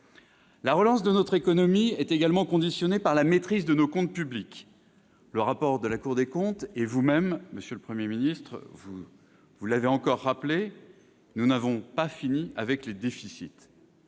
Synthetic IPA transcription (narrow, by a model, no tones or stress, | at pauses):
laʁəlɑ̃sd̪ənɔt̪χekɔnɔmiɛt̪eɡalmɑ̃kɔ̃d̪isjɔnepaʁlamet̪χizd̪ənokɔ̃t̪̚pyblik | ləʁapɔʁd̪əlakuʁd̪ekɔ̃t̪evumɛmːəsjøləpχəmjeminist̪χvu | vulaveɑ̃kɔʁːaple | nunavɔ̃pafiniavɛkled̪efisit̪